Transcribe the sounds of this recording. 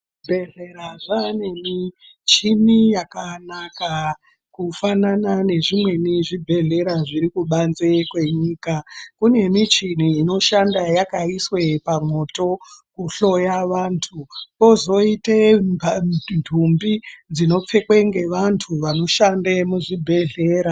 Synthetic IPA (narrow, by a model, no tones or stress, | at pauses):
bʱe̞ɮe̞ɾaʐane̞mi | t͡ʃinijakanaka | kufananane̞ʐimwe̞niʐibʱe̞ɮe̞ɾaʐiɾikuɓanzekwe̞ɲiːkakune̞mit͡ʃin̤iːno̞ʃandajakaiswe̞pamwo̞to̞kuɬo̞jaʋaːntʰuo̞zo̞ite | ndʱumbid͡zino̞p͡fe̞kweŋɡe̞ʋantʰuʋano̞ʃandemuʐibʱe̞ɮe̞ːɾa